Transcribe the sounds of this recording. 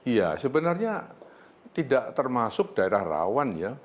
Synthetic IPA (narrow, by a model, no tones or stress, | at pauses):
ija̰səbənarɲa | t̪idaʔt̪ərmasʊk̚d̥aeɾahra̰wanja